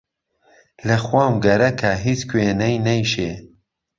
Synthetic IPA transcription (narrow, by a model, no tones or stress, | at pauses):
lɐxwɑːmɡɐɾɐkʰɐɦit͡skʰweːnɐjnɐjʃeː